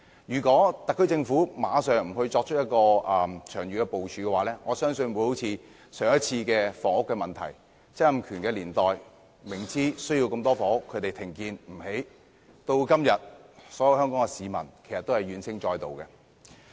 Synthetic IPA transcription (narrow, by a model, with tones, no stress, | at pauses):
jyː˨˩kɔː˨˥t̪ɐ˨k̚ʰːɵ˥t͡sɪ˧ŋfuː˨˥maː˨˧sœː˨˩ŋm̩˨˩hɵ˧ɥt͡sɔː˧k̚t͡ʃʰɵ˥jɐ˥t̚kɔː˧ɐː˨t͡ʃʰœː˨˩ŋjyː˨kɛː˧po˨wt͡ʃʰyː˨˧kɛː˧waː˨˥lɛː˥ŋɔː˨˧sœː˥ŋsɵ˧nwu˨˧˥jho˨˥wt͡sʰiː˨˧ | sœː˨ŋjɐ˥t̚t͡sʰiː˧kɛː˧fɔː˨˩ŋʊ˥kːɛː˧mɐ˨nt̪ʰɐ̰˨˩j | t͡sɐ˥ɐ˥mkʰyː˨˩nkɛː˧liː˨˩nt̪ɔː˨j | mɪ˨˩ŋt͡siː˥sɵ˥ɥjiː˧wkɐ˧mt̪ɔː˥fɔː˨ŋʊ˥kʰːɵ˨˧ɥt̪e˨jt̪ʰɪ˨˩ŋkiː˧nm̩˨˩he˨˥j | t̪o˧wkɐ˥mjɐ˨t̚sɔː˨˥jɐ˨˧whœː˥ŋkɔː˨˥ŋɛ˧siː˨˧mɐ̰˨˩nkʰjsɐ˨t̪ːo˥whɐ˨˩jɥyː˨˧nsʰɪ˥ŋt͡ʃɔː˧jt̪o̰˨wkɛ˧